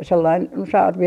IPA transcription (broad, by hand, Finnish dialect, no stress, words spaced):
selːɑin no sɑrʋi